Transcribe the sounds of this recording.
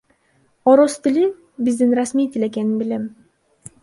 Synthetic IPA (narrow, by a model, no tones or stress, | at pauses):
oɾost̪ili | bizd̪inrasmijt̪ile̞k̬eninbilem